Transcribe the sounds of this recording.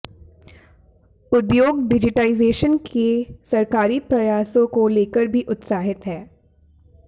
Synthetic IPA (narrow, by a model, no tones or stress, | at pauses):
ʊd̪joːɡɖɪd͡ʒɪʈaːɪzeːʃənkʰesɐɾkaːɾipɾɐjaːsõkoleːkəɾbʱiʔʊt̪saːɦɪt̪ɦɛː